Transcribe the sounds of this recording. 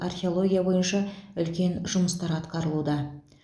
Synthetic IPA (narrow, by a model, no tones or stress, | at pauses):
arxʲeo̞lˠo̞ɡʲijabo̞jənʃɑʏlkʲe̞nʒʊməst̪ɑɾɑt̪qɑɾəlˠud̪ɑ